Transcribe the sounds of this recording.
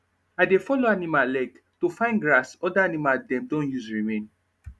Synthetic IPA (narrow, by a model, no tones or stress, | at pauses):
aɪdefɔloanimalɛk | tufãɪ̃nɡɹasɔdaanimadɛ̃mdõnjuzɹimẽn